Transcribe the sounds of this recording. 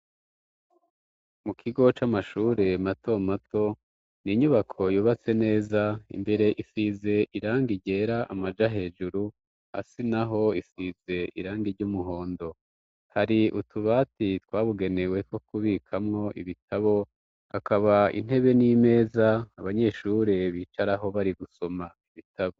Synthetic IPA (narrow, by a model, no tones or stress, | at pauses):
mukʰiɡo̞t͡ʃamaʃuːɾe̞mato̞mato̞ | niɲuβakʰo̞juːβat͡se̞ne̞ːzaḭmbe̞ɾe̞ʔifize̞ʔiɾaːŋɡiɟe̞ːɾaʔa̰mad͡ʒaɦe̞ːd͡ʒuɾu | ha̰sinaɦo̞isize̞ʔḭɾaːŋɡiɾɟumuɦo̞ːndo̞ | haɾiʔutʰuβaːtitwaːβuɡe̞newe̞tko̞kuβikʰamŋo̞ʔḭβitʰaβo̞ | akaβaḭn̥e̞βe̞nime̞ːzaːβaɲe̞ːʃuɾe̞βiːt͡ʃaɾaɦo̞βaɾiɡuso̞maiβitʰaβo